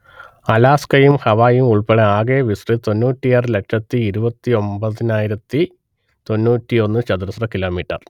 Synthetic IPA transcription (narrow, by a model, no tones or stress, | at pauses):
ɐlaːskɐjumhɐʋaːjumuɭpeɽɐaːɡeʋisrɨt̪o̞nːuːtːijɐrle̞kʂɐt̪ːiːɾubɐt̪ːio̞mbɐðinaːjiɾɐt̪ːi | t̪o̞nːuːtːio̞nːɨt͡ɕɐd̪uɾɐsrɐkiloːmiːʈːɐr